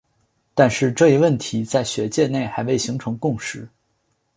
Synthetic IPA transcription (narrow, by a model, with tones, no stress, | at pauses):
t̪a˥˧nʂɻ̩˥˧ʈ͡ʂɤ˥˩i˧˥wə˥˩nt̪ʰi˧˥t͡sa˥˩ɪɕɥɛ˧˥t͡ɕjɛ˥˧ne˥˩ɪxa˧˥ɪwe˥˩ɪɕi˧˥ŋʈ͡ʂʰɤ˧˥ŋkʊ˥˩ŋʂɻ̩˧˥˦